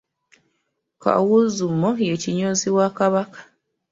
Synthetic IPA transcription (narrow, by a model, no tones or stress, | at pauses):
ka̰wuzumojeciɲoziwakaβakḁ